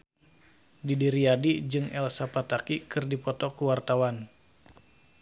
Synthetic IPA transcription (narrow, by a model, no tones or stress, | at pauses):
didiɾiadid͡ʒɨŋɛlsapat̪akikɨrdipɔt̪ɔkuwart̪awan